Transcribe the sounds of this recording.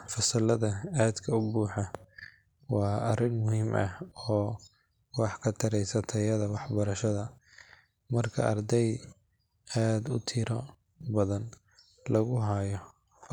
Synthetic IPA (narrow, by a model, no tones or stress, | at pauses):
fɐsɐlɐðɐaːd̪kʰɐʊbuːħɑ | wɑːɐrɪnmʊɦiːmʔɐ̰ɔː | wɑħkʰɐt̪ʰɐɾɛjsɐt̪ʰɐjɐðɐwɑħbɐɾɐʃɐðɐ | mɐrkʰɐ̰ʔɐrd̪ɛj | aːd̪ʊt̪ʰɪɾɔ | bɐðɐn | lɐɣʊɦɐjɔ